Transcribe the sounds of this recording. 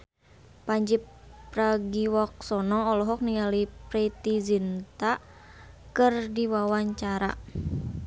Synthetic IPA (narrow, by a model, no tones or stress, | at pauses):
paɲd͡ʒip | raɡiwɔk̚sɔnɔːlɔɦɔk̚niŋalipɾit̪izint̪a | kɨrdiwawaɲt͡ʃaɾa̰